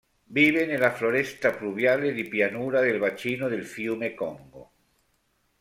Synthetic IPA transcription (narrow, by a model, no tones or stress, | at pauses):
biβenelafloɾest̪apluβjaleðipjanuɾaðelβat͡ʃinoðelfjumekɔŋɡo̰